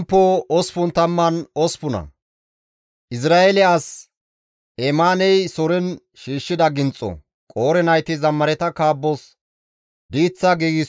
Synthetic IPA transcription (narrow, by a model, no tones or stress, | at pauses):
mpːoɔspʊnt̪ɐmːɐnɔspʊnɐ̰ | ʔɪs̬ɾaːʔɛlɪas | ɛmaːnɛjsɔɾɛn | ʃiːʃːɪd̪ɐɡɪnt͡sʼːɔ̰ | kʼo̞ːɾɛnɐjt̪ɪzɐmːɐɾɛt̪ɐkaːbːɔs | d̪iːt͡sːaɡiːɡɪ